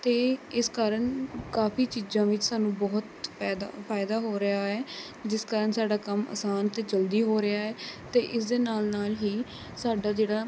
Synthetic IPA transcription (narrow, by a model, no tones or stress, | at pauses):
t̪eːɪskaːɾəɳkaːpiːt͡ʃiːzãːʋɪt͡ʃsaːnũːbɔːt̪ɛːd̪apʰaːɪd̪aːɦoːɾɪaːɦɛː | d͡ʒɪskaːɾənsaːɖaːkəmə̰saːnt̪eːd͡ʒəld̪iːɦoːɾɪaːɛːt̪eːʔɪsd̪eːnaːlnaːlɦiː | saːɖaːd͡ʒeːɽaː